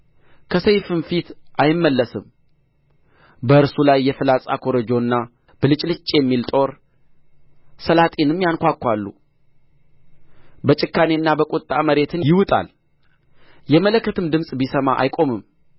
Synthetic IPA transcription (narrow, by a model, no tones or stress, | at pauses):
kʰəsəjfɨnfit̪ʔajɪmːəlːəsɨm | bəɨɾsulajːɛfɨlasʼa̰kʰo̞ɾəd͡ʒo̞nːa | b̥əlɨt͡ʃʼlɨt͡ʃʼːjɛmːilt̪ʼo̞ɾ | səlat̪ʼenɨmːjankʷakʰːʷalːṵ | bət͡ʃʼɪkːane̞nːabəkʼut̪ʼːaməɾe̞t̪ʰɨnjɪwʊt̪ʼa̰l | jɛmələkːət̪ʰɨmd̪ɨmsʼbisəmaʔa̰jkʼo̞mɨm